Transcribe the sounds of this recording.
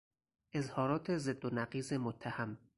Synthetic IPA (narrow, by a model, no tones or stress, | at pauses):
ʔe̞zhɒːɾɒːt̪ʰezed̪ːonæɢiːzemot̪ʰːæhæm